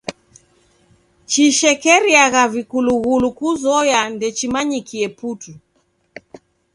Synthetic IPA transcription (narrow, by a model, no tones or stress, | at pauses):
t͡ʃiʃɛkɛɾiaɣavikuluɣulukuzɔjandɛt͡ʃimaɲikiɛputu